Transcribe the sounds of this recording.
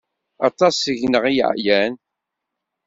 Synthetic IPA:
ɑt̪ˤɑsəʝnəʁij̰ʕjæn

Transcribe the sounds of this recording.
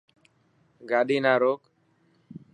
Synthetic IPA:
ɡaɗiːnaɾoːk

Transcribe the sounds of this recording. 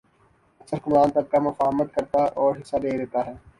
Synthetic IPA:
ɐsəɾkʊmaːnt̪ɐb̚kamʊfaːɦmət̪̚kɐɾt̪aʔɔːɾɦɪsːad̪eːɾɛːt̪aɦɛː

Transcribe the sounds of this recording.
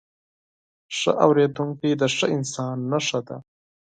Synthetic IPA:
ʂə̰ʔa̰wɾed̪uŋkid̪əʂəɪnsɑnːaʂad̪a̰

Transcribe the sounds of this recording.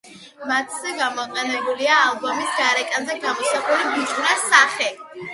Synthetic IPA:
mat̪ʰz̥ɛɡamɔqʼɛnɛbuliaːlˠbɔmisɡaɾɛkʼanzɛɡamɔsaχulibit̪ʰʼnasaχɛ

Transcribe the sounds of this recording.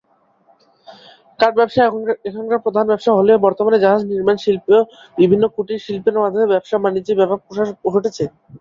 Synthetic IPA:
kaɾbɛbʃaekʰaŋkaɾpɾod̪ʱanbɛbʃaɦolebɔɾt̪omaned͡ʑaɦad͡ʑniɾmanʃilpo | bibʱinːokuʈiʃilpenamad̪ʱebɛbʃamanid͡ʑibɛbʱab̚poʃapoʃoʈet͡ɕʰe

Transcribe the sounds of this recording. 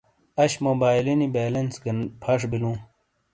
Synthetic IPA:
ɐɕmoːbaːjlinibeːlɐnsɡɐnpʰɐʂ̬bilũː

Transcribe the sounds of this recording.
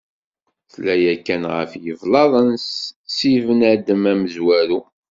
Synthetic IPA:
θlːæjækːænʁə̰fjəvlɑðˤənssivənæd̪əmæməzwæɾu

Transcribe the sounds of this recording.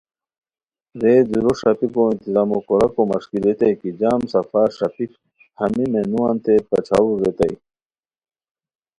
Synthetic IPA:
ɾeːd̪uɾoʂɐpikoĩnt̪izaːmokoɾɐkomɐʂkiɾet̪ɐjkid͡ʑaːmsɐfaːɾʂɐpik | hɐmimenuwãːnt̪epɐt͡ɕʰawuɾet̪ɐj

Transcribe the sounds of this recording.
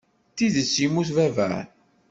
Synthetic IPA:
θiðəsːimuθvævə̰ɾ

